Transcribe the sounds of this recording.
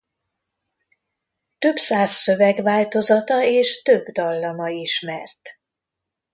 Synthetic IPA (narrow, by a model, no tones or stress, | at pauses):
t̪ø̞bsaːsːø̞vɛɡʋaːlt̪o̞zɒt̪ɒeːʃt̪ø̞bd̪ɒlːɒmɒiʃmɛrt̪